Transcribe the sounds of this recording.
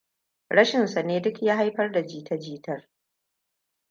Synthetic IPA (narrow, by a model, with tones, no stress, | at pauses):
ɽɐ˦ʃɪ˨nsa˨neː˦dʊ˦kjaː˦ɦa˦jɸɐ˦rda˨d͡ʒiː˦tɐ˦d͡ʒiː˦tɐ˦r